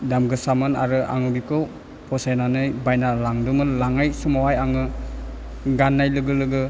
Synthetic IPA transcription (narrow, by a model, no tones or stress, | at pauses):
damɡɯsamɯna̰ɾɯʔa̰ŋɯbiko | pʰɔsajnanɯjbajnalaŋdumɯnlaŋajsumawajaŋɯ | ɡanːajlɯɡɯlɯɡɯ